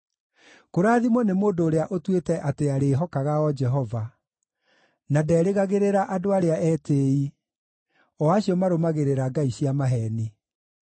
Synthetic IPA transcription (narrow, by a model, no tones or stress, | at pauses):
koɾaːðimwɔnemoːndoːɾeaʔotwetɛʔateaɾeɦɔkaɣaɔd͡ʒɛɦɔva | nadɛːɾeɣaɣeɾeɾaʔadoaɾeaɛːteːi | ɔaɕijɔmaɾomaɣeɾeɾaɡaiɕiamaɦɛni